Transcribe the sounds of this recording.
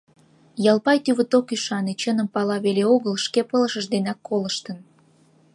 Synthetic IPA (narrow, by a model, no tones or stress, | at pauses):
jɑlˠpɑjt̪yβət̪okyʃɑnet͡ɕənəmpɑlɑβeleoɣəlʃkepələʃəʃd̪enɑkːoləʃt̪ən